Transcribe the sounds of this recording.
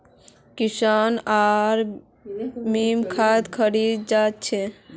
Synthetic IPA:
kisənaɾ | mimkʰad̪kʰəɾid̪̚d͡ʒat̪t͡ʃʰe

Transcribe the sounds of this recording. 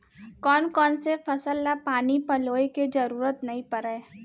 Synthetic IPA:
kɔːnkɔːnsefɐsəlːapaːnipɐloːeked͡ʒɐɾuːɾət̪nɐɦĩpɐɾeː

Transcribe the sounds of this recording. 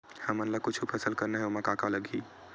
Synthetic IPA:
həmənlakut͡ʃʰupʰɛsəlkəɾneɦɛomakakaləɡʱi

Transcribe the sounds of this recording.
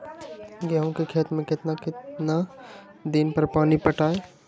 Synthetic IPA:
ɡɛɦõkekʰeːt̪mẽkɪt̪nakɪt̪na | d̪ɪnpɐɾpaːnipəʈaːe

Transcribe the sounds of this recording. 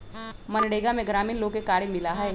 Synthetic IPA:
mɐnɽeːɡamẽɡɾaːmiːnloːɡekaːɽimɪlaɦɛ

